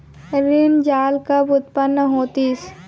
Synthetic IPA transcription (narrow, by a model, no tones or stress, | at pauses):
ɾɪnd͡ʒaːlkabʊt̪̚pənːəɦoːt̪is